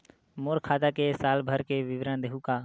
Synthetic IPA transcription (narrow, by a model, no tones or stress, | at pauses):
moːɾkʰaːd̪akesaːlbʱəɾkeʋɪʋɾə̃nd̪eɦukaː